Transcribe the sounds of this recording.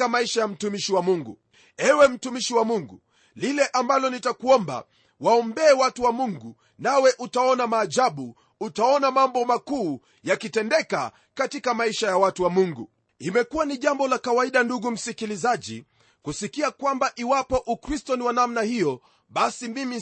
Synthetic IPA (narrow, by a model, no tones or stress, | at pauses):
amaiʃajam̩tumiʃiwamuŋɡṵ | ɛwɛm̩tumiʃiwamuŋɡṵ | lilɛʔambalɔnitakuɔmba̰ | waɔmbɛːwatuwamuŋɡu | nawɛʔutaɔnamaːʄaɓuː | taɔnamambɔmakuː | jakitɛndɛka̰ | katikamaiʃajawatuwamuŋɡṵ | imɛkuwaniʄambɔlakawaiɗanduɡum̩sikilizaʄḭ | kusikiakwambaʔiwapɔʔukɾistɔniwanamnahijɔ | ɓasimimi